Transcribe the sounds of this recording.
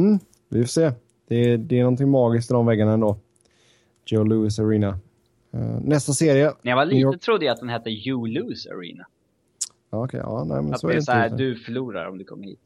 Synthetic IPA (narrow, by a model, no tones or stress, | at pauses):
m̩ː | vɪfoːseː | d̪̥ɛd̪ɛːnɔnt̪ʰɪŋmɑːɡɪskt̪ɪd̪ɔmvɛɡːaɳaɛnd̪oː | d͡ʒoʊluːɪs̬aɾiːna | ɛ̰nɛst̪aseːɾɪjəɛjavaliːt̪ːət̪ʰɾʊd̪ːəjat̪̚d̪ɛnhɛt̪ːəjuluːsa̰ɾḭːna | aːɔkʰɛ̰ɑ̰ːnɛ̰ɪmɛ̰nsɔɛɾɛæd̪ɵfœɭuːɾa̰ɾɔ̰md̪ɵkʰɔ̰mːəɾhḭːt̪̚